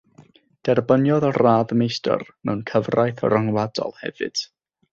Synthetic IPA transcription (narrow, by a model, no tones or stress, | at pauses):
d̥ɛrbənjɔðɔraːðmejstʰə̰rmɛwnkʰəvrajθɔ̰ɾaŋwadɔ̰lˠhɛ̰vɨ̰d̥